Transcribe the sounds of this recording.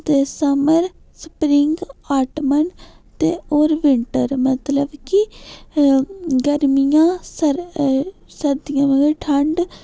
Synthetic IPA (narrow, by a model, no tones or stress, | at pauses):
t̪eːsəməɾ | spɾɪŋɡaːʈmən | t̪eːoːɾʋɪɳʈəɾmət̪ləbki | ɡəɾmijãːsəɾ | səɾd̪ijãːʋəɡeʈʰəɳɖ